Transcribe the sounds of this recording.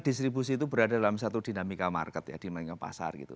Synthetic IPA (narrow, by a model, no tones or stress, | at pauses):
d̥ist̪ɾibus̬iːt̪ubəɾadadalamsat̪udinamikama̰rkət̪ja̰d̥imaŋapa̰sa̰rɡḭt̪ṵ